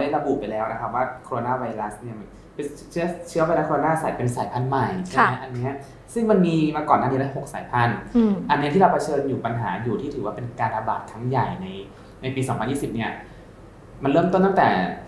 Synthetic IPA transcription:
da˥˩ɾa˧bu˨˩pa˧jlɛː˦˥wna˦˥kʰa˦˥p̚waː˥˩kʰoː˧o˧naː˥˩wa˧jɾa˦˥sni˥˩ɐma˧n | pt͡ɕʰɯ˦˥t͡ɕʰɯ˦˥ɐwa˧jɾa˦˥koː˧naː˥˩saː˩˦jpe˧nsaː˩˦jpʰa˧˩nma˨˩jt͡ɕʰma˦˥ʔa˧nːi˦˥ɐ | sɯ˥˩ŋma˧nmiː˧maː˧kɔː˨˩nːaː˥˩i˦˧˥a˥ɦo˨˩k̚saː˩˦jpʰa˧nʔa˧nː˦˥t̪ʰiː˥˩ɾa˧wpʰa˧t͡ɕʰɤː˧njuː˨˩pa˧nɦa̰ː˩˦juː˨˩iː˥˩ɯː˩˦waː˥˩pe˧nkaː˧nɾa˧ba̰ː˨˩t̪̚kʰa˦˥ŋja˨˩jna˧j | na˧jpiː˧sɔː˨˩˦ŋpʰa˧njiː˥˩i˨˩p̚ni˥˩ɐ | ma˧nɾɤː˥˩mt̪o˥˩nt̪a˥˩ŋt̪ɛː˨˩

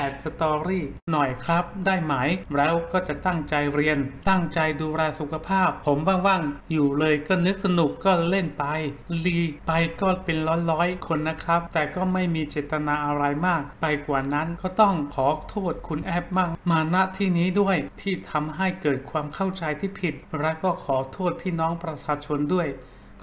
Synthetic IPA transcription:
ɛː˨˩t̪̚sa˧t̪ɔː˧ɾiː˥˩nɔ˨˩jkʰɾa˦˥p̚daː˥˩jma˦˥˩jɾɛː˦˥wkɔː˥˩t͡ɕa˨˩ʔt̪a˥˩ŋt͡ɕa˧jɾi˧ənt̪a˥˩ŋt͡ɕa˧jduː˧ɾɛː˧su˨˩kʰa˧pʰaː˥˩pʰːo˩˦mwaː˧ŋwa˥˩ŋjuː˨˩lɤː˧jkɔː˥˩nɯ˦˥k̚sa˧nu˨˩kːɔː˥˩le˥˩npa˧jliː˧˩pa˧jkɔː˥˩pe˧nlɔː˦˥nlɔː˦˥jkʰo˧nːa˦˥kʰɾa˦˥p̚t̪ɛː˨˩kɔː˥˩ma˥˩jmiː˧t͡ɕeː˨˩t̪ːa˧naː˧ʔa˧ɾa˧jmaː˥˩k̚pa˧jkwaː˨˩na˦˥nkɔː˥˩t̪ɔ˥˩ŋkʰɔː˩˦t̪ʰoː˥˩t̪̚kʰu˧nʔɛː˥˩p̚maː˥˩maː˧na˦˥ʔt̪ʰiː˥˩niː˦˥du˥˩əjt̪ʰiː˥˩t̪ʰa˧mɦa˥˩jkɤː˨˩t̪̚kʰwaː˧mkʰa˥˩wt͡ɕa˧jt̪ʰiː˥˩pʰi˨˩t̪̚ɾɛ˦˥wkɔː˥˩kʰɔː˩˦t̪ʰoː˥˩t̪̚pʰiː˥˩nɔː˦˥ŋpɾa˧t͡ɕʰaː˧t͡ɕʰo˧ndu˥˩əj | k

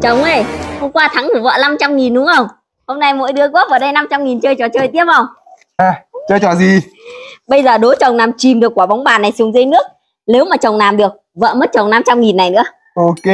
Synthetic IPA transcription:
t͡ɕə˨˩wŋ͡mʔə˧˩jho˧ŋ͡mkwaː˧t̪ʰa˨˦ŋt̪ʰu˧˩və̰ː˧˨na˧mt͡ɕa˧mŋi˨˩nɗʊ˨˦ŋ͡mʔə˧wŋ͡m | ho˧ŋ͡mna˧jmo̰˧˥jɗɨ˨˦əku˦˥p̚vaː˨˩ɗə˧jna˧mt͡ɕa˧mŋi˨˩nt͡ɕəː˧jt͡ɕɔ˨˩t͡ɕəː˧˩jt̪i˦˥əp̚və˧˩wŋ͡m | ʔaː˨˩t͡ɕəː˧jt͡ɕɔ˨˩zi˨˩ɓə˧jzəː˨˩ɗo˨˦t͡ɕə˨˩wŋ͡mnaː˨˩mt͡ɕi˨˩mɗɨ˨˩əkːwɓa˨˦wŋ͡mɓaː˨˩nːa˨˩jsʊ˨˩ŋ͡mzə˧jnɨ˦˥ək̚ | ne˨˦wmaː˨˩t͡ɕə˨˩wŋ͡mnaː˨˩mɗɨ˨˩ək̚və̰ː˧˨mə˦˥t̚t͡ɕə˨˩wŋ͡mna˧mt͡ɕa˧mŋi˨˩nːa˨˩jnɨ̰˧˥ə | ʔo˧ke˧

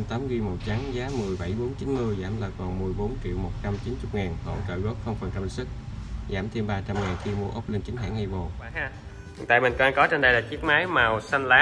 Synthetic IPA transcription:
mt̪aː˨˦mɣi˧mo˨˩t̚t͡ɕa˨˦ŋzaː˨˦mɨ˨˩əjɓa˧˩jɓo˨˦nt͡ɕi˨˦nmɨ˧əjzaː˧˩mlaː˨˩kɔ˨˩nmɨ˨˩əjɓo˨˦nt͡ɕḭ˧˨wmo˨˩t̚t͡ɕa˧mt͡ɕi˨˦nt͡ɕʊ˦˥k͡p̚ŋaː˨˩nho̰˧˨t͡ɕə̰˧˨jzo˦˥t̚xə˧wŋ͡mfə˨˩nta˧˩˧sɨ˦˥k̚zaː˧˩mt̪ʰe˧mɓaː˧t͡ɕa˧mŋaː˨˩nxi˧mu˧əʔə˦˥k͡p̚le˧nt͡ɕi˨˦ŋ̟ɦa̰ː˧˥ŋa˧jvo˨˩˧h | ŋt̪a̰ː˧˨jmï˨˩ŋ̟kɔ˧a˧ŋkɔ˨˦t͡ɕe˧nɗaː˨˩jlaː˨˩t͡ɕi˦˥ək̚maː˨˦jmaː˨˩wsa˧nlaː˨˦

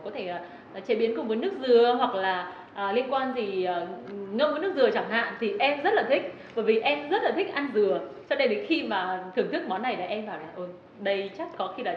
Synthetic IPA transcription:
kɔ˨˦t̪ʰe˧˩˨ | t͡ɕe˨˦ɓi˨˦ənkʊ˨˩ŋ͡mvəː˨˦jnɨ˦˥ək̚zɨ˨˩əɦwa˨˩k̚laː˨˩ | ʔəː˨˩li˧ənkwaː˧nt̪ʰiː˨˩˨ŋə˧mvəː˨˦n˦˥kzɨ˨˩ət͡ɕa˧˩ŋɦa̰ː˧˨nt̪ʰi˨˩ʔɛ˧mzə˦˥t̚laː˨˩t̪ʰï˦˥k̟̚ | ɓəː˧˩jvi˨˩ʔɛ˧mzə˦˥t̚laː˨˩t̪ʰï˦˥k̟ʔa˧nzɨ˨˩ət͡ɕɔ˧nɗə˧jə˨˦jxi˧maː˨˩t̪ʰɨ˨˩əŋt̪ʰɨ˦˥k̚mɔ˨˦nːa˨˩jlaː˨˩ʔɛ˧mɓaː˧˩wlaː˨˩ʔə˧˩j | ɗə˧jt͡ɕa˦˥k̚xɔ˨˦xi˧laː˨˩

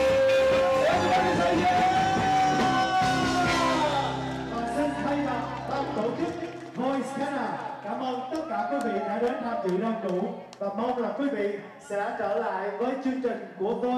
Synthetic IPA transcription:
a˨˩ə˨˦˧ | kɔː˨˩nsi˧nxʰa˧jma˨˩t̚ɓ̪aː˧ŋt̪o˧˩t͡ɕʊ˦˥k̚ | vo˧jskaː˧˦naː˨˩kaː˧˩mʔə˧wŋ͡mt̪ə˦˥t̚kaː˧˩kwi˨˦vḭ˧˨ɗa̰ː˧˥ɗe˨˦nhaː˧mt͡ɕḭ˧˨ɗaː˧ŋɗu˧˩ | vaː˨˩mə˧wŋ͡mlaː˨˩kwi˨˦vḭ˧˨ | sɛ̰˧˥t͡ɕəː˧˩la̰ː˧˨jvəː˨˦jt͡ɕɨ˧əŋt͡ɕï˨˩ŋ̟ku˧˩əvo˧

